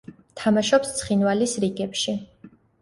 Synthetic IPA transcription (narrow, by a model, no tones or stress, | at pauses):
t̪ʰamaʃɔpst̪sʰχinwalisɾiɡɛpʃi